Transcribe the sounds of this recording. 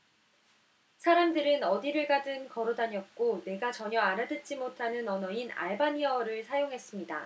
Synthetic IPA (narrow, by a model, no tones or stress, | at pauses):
sʰaɾamdɯɾɯnʌdiɾɯɭɡadɯnkʌɾodaɲjʌk̚k͈one̞ɡat͡ɕʌɲʌaɾadɯt̚t͡ɕ͈imotʰanɯnʌnʌina̰ɭbaɲiʌɾɯɭsʰajoŋɦe̞s͈ɯmɲida